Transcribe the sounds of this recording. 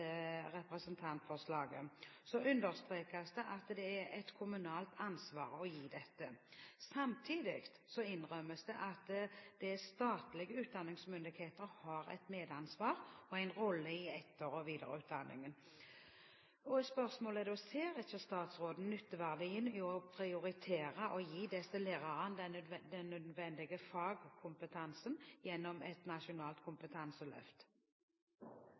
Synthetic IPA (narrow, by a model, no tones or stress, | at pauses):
əɾɛpɾɛsənt̪ʰɑnt̪fɔʁslɑːɡə̰sɔʉnd̪əɾst̪ʁeːkɑsd̪ɛʔɑt̪d̪ɛæɾɛt̪kʰʊmʉnɑːlt̪ʰɑnsʋɑːɾəɔjiːd̪ɛt̪ːəsɑmt̪ʰiːd̪ɪ̰kt̪sɔɪnʁœməsd̪ɛʔɑt̪d̪̥ɛst̪ɑːt̪lɪɡəʉːt̪̚d̪ɑnːɪŋsmʏnd̪ɪkheːt̪əɾhɑɾɛ̰ɪt̪meːd̪ɑnsʋɑːɾɔæɪnʁɔlːəɪɛt̪ʰːəɾɔʋiːd̪ə̰ʁʉ̰ːt̪̚d̪ɑnːɪ̰ŋən | ɔɛt̪spœʁsmoːləd̪ɛɔseːɾɪçəst̪ɑːt̪sʁoːd̪n̩nʏt̪ːəʋæʁd̪ɪɪnɔpʰɾɪʊɾɪt̪ʰeːʁəʔɔjiːd̪ɛsəleːd̪ɑʁɑnd̪d̪ɛnːœd̪d̪ʋɛnd̪ɪɡəfɑːɡkʰʊmpət̪ʰɑnsənjɛnːɔmɛt̪nɑʃʊnɑːlt̪̚kʰʊmpət̪ʰɑnsəlœ̰ft̪